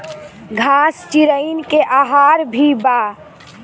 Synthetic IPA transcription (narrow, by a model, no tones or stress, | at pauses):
ɡʱast͡ʃiɾəɪnkeʔaɦaɾbʱiba